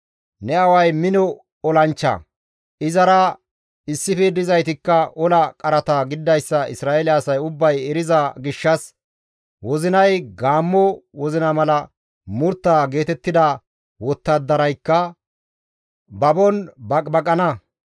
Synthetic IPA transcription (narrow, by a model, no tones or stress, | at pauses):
nɛɐwɐjmɪnɔ | ɔlɐnt͡ʃːɐ̰ | ʔɪzɐɾɐ | ɪsːɪfid̪ɪzɐjt̪ɪkːɐʔɔlɐkʼɐɾɐt̪ɐɡɪd̪ːɐjsːɐɪ̰sɾaːɛlɪɐsɐjʊbːɐjɛɾɪzɐɡɪʃːɐs | wɔzɪnɐjɡaːmːɔwɔzɪnɐmɐlɐ | mʊɾt̪ːaːɡe̞ːt̪ɛt̪ːɪd̪ɐ | wɔt̪ːɐd̪ːɐɾɐjkːɐ | bɐbɔnbɐkʼbɐkʼɐnɐ